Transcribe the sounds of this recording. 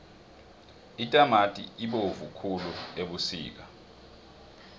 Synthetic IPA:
itʼamatʼḭiɓovukʰulueɓusḭːk̬a

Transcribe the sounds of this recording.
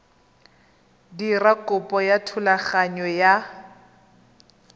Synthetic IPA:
dirakʼʊpʼɔjatʰʊlaχaɲɔja

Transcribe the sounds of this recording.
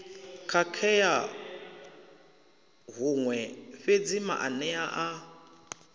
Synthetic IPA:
kʰakʰɛja | ɦuŋwɛɸed͡zima̰ʔanɛaʔa

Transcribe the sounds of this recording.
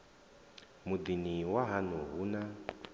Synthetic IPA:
mud̪iniwaɦanuɦuna

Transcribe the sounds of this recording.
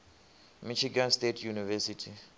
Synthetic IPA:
miʃiɡãnstetʰjunivɛsitʰi

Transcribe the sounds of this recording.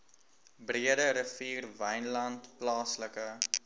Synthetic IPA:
briədəɾəfiːrvɛjnlɐntplɑːsləkə

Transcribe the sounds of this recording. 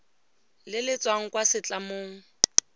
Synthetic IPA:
lɪlɪt͡sʼwaŋ̩kwasɪt͡ɬʼamoːŋ̩

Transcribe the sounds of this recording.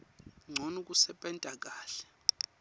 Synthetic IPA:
ŋ͡ǀʱɔnuk̬ʼusɛɓʼɛntʼak̬ʼaːɬɛ̥

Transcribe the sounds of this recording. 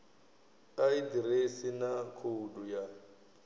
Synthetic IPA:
aidiresinakʰuduja

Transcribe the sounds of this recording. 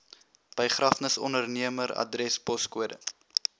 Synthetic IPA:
b̥əjχrɐfnəsɔ̰ndərniəmərɐ̰drɛspɔskuədə

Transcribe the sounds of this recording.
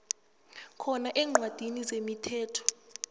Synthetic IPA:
kʰɔnaʔɛːŋ͡ǃʱwad̥ʱinizemitʰɛːtʰɔ̥

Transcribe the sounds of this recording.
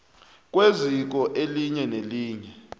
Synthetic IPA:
k̬ʼwezik̬ɔʔeliɲɛneliːɲɛ

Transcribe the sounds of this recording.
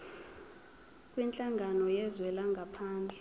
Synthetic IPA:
kʼwint͡ɬʼaŋɡʱanɔjɛzwɛlaŋɡʱapʰaːnd͡ɮʱɛ

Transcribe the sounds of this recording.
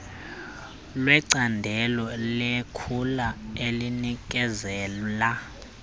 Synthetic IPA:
lwɛǀandʱɛlɔlekʰulaelinik̬ʼɛzɛːla

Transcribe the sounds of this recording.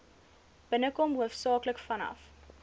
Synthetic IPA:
b̥ənəkɔmɦuəfsɑːkləkfɐnɐ̰f

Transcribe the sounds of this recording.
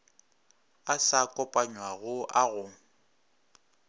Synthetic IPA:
asakʼɔpʼaɲwaɣʊʔaɣʊ

